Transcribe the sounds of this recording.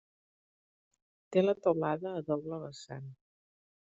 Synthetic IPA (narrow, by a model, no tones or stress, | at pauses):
t̪elət̪əlaðəːðɔβləβəsa̰n